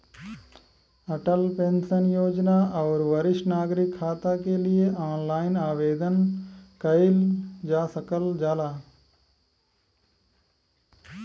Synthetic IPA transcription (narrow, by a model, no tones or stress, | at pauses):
ɐʈəlpẽnsənjoːd͡ʒnaɔːɾʋɐɾɪʃnaːɡɾɪkʰːaːt̪akelieʔaːnlaːɪnaːʋeːd̪ənkɐɪld͡ʒaːsəkəld͡ʒaːlaː